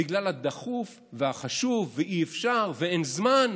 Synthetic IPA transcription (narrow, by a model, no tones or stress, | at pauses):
iɡlalad̪aχuf | veaχaʃuvːeʔiefʃaʁveenzman